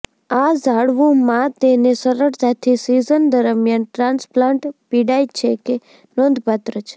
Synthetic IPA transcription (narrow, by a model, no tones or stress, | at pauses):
azaɽʋũmãt̪enesəɾəɽt̪at̪ʰisizənd̪əɾmjanʈɾãnsplãɳʈpiɽajt͡ʃʰeke | nõnd̪ʱpat̪ɾət͡ʃʰe̥